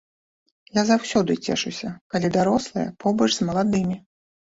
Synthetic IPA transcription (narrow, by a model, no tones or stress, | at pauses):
jazawsʲɔd̪ɨt͡sʲɛ̰ʂusʲɐkalʲid̪aɾɔslˠɨjɛ̰pɔbəʐzmɐlˠad̪ɨmʲi